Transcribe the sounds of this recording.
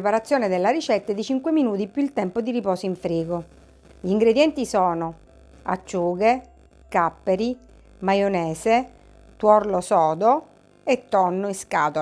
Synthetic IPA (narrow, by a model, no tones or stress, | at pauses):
paɾat̪sːjoːned̪elːaɾit͡ʃɛt̪ːed̪it͡ʃiŋkweminuːt̪ipjuilt̪ɛmpod̪iɾipɔːsoiɱfɾiːɡo | ʎiːŋɡɾed̪jɛnt̪isɔːno | a̰t͡ʃːuːɡe | kapːeɾi | majonɛːse | t̪wɔrlosɔːd̪o | et̪ːɔnːoiskaːt̪o